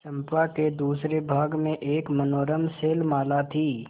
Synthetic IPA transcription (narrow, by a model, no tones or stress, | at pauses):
sɐ̃mpaked̪uːsɾebʱaːɡmẽʔeːkmɐnoːɾəmseːlmaːlat̪ʰiː